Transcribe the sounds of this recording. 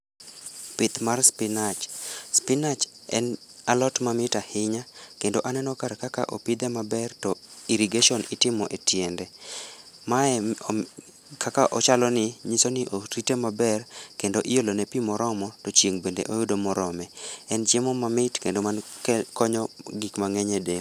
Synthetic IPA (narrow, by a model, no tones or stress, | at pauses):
pɪt̪marspɪnat͡ʃspɪnat͡ʃɛnalɔtmamɪtahɪɲakendoʔanɛnɔkaɾkaka̰ʔopid̪ɛmabɛrtɔiɾiɡeʃɔnɪtɪmɔʔetjɛndɛ | maɛ | kʰakaʔɔt͡ʃalɔnɪɲisonɪʔoɾitemabɛrkendoʔɪjolonɛpimɔɾɔmɔtɔt͡ʃjeŋbendḛʔojʊdomɔɾɔmɛɛnd͡ʒɛmɔmamɪtkendomankɔɲɔɡikmaŋɛɲɛde